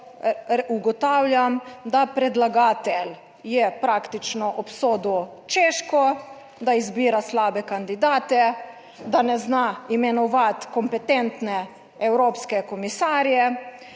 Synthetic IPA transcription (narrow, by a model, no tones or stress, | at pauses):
uɡɔt̪aːwlʲjamd̪apɾɛd̪laɡaːt̪ɛl | jɛpɾaːkt̪it͡ʃnɔʔɔpsoːd̪u | t͡ʃeːʃkɔ | d̪aizbiːɾaslaːbɛkand̪id̪aːt̪ɛ | d̪anɛznaimɛnɔʋat̪kɔmpɛt̪ɛnt̪nɛ | ɛwɾoːpskɛkɔmisaːɾjɛ